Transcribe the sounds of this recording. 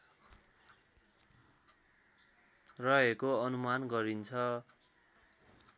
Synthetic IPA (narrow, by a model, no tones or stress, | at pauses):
rʌɦekoʌnumanɡʌɾint͡sʰʌ